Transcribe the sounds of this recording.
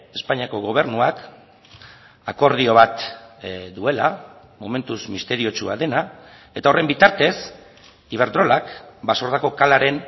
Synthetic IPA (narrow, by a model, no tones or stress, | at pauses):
e̞spaɲiako̞ɣo̞β̞e̞rnuak | ako̞ɾð̞io̞β̞at̪ | d̪ue̞la | mo̞me̞nt̪uzmist̪e̞ɾio̞t͡ʃua̰ðe̞na | e̞t̪aorʔe̞mbit̪aɾt̪e̞s | iβ̞e̞ɾd̪ɾo̞lakbaso̞ɾðako̞kalaɾe̞n